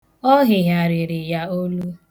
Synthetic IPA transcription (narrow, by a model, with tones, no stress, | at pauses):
ɔ˦ɦɪ˨ɦja˨ɾɪ˨ɾɪ˨ja˦o˦lu˦